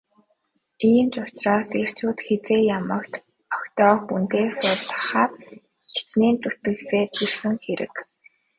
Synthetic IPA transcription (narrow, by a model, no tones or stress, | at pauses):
iːnt͡ɕʊt͡ɕrɔːst̪er̥t͡ɕʰuːt̪xet͡seːjamə̆kt̪ | ɔkt̪ɔːxunt̪eːsʊɮɮə̆χaːt | xi̥t͡ɕneːnt̪ut̪̚ɘ̆kseːt̪irsɘ̆ŋxeɾɘ̰̆k